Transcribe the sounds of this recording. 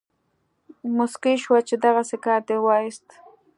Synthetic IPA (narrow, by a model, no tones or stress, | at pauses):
mʊskɪʃwat͡ʃɪd̪ɑɣɑsɪkat̪ewajst̪